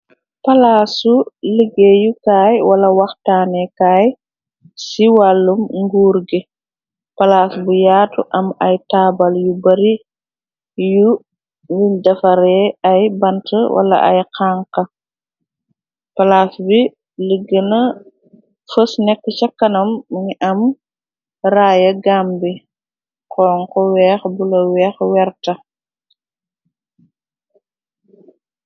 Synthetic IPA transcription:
pɐlaːsuləɡːɛjukaːjwɐlɐwaxtaːnɛkaːj | siwalːumŋɡuːɾɡɛ | pɐlaːsbujaːtuʔɐmɐjtaːbaljubɐɾi | ju | nidɐfɐɾɛajbɐntʰəwʔɐ̰lɐ̰ʔa̰jqaːŋkɐ | pɐlaːsbi | ləɡːənɐ | fəsnɛkːət͡ʃɐkːɐnɐmːɲiʔɐm | ɾaːjɐɡaːmbi | kɔːŋkɔwɛːxbulɐwɛːxwɛɾtɐ

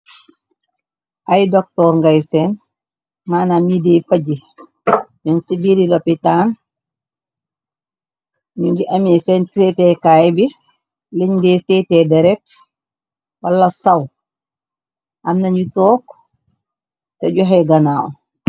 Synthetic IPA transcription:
ʔajdɔk̚tɔɾŋɡajsɛn | maːnamidɛfaɟi | d͡ʒɔnsibiɾilɔpitan | ɲuɲd͡ʒiʔamɛsɛntsɛtɛkaːjbi | liɲdɛsɛtɛdɛɾɛt | walːasaw | ʔamnaɲd͡ʒitɔk | tɛɟɔɦɛɡanaːɔ̰

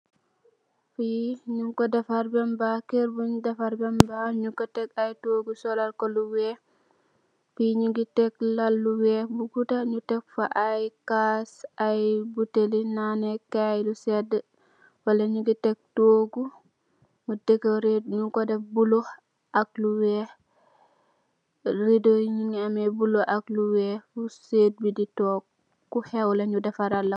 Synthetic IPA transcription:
fiɲuŋkɔdafaɾbɛmbakeɾbundafaɾbɛmbaɲuŋkɔtɛkajtoɡusɔlaɾkɔluwɛ | fiɲuɡitɛklalːuwɛbuɡutaɲutɛk̚faʔajkasajbutelinanɛkajlusɛdə | wɐlɐɲuɡitɛk̚toːɡu | mudekːoɾet̚ɲukodebuloh | ak̚luwɛh | ɾidoɲiŋamebuloakluwɛːbuseːt̚biditɔːk̚ː | uhɛwlɐɲudɛfaɾɐlːa

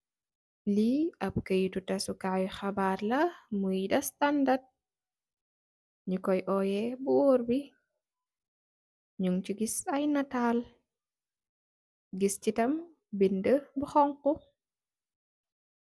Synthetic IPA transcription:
liɐp̚kəjututɐsukawxɐbaːrlɐmujdɐstandad̚ | ɲukɔjʔɔjɛbuwoːɾbi | ɲuŋt͡ʃiɡisɐjnɐtaːl | ɡiscitɐm | bindəbuxɔŋku

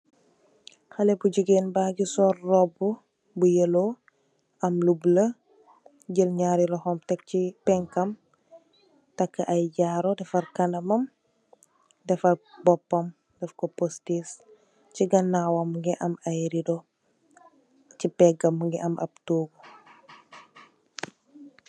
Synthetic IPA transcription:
xɐlɛbuɟuɡenbaːɡisɔːrːɔbu | bujəlo | ɐmlublə | ɟəlɲaːɾiɾɔxɔmtɛk̚cipɛŋkɐm | tɐkːɐʔɐjɟaɾɔdɛfɐrkɐnɐmɐm | dɛfɐbɔpːɐm | dɛfkopostis | ciɡɐnawɐmŋɡɛʔɐmɐjɾidɔ | cipɛɡɐmːŋɡɛʔɐmɐ̰b̚toːɡu

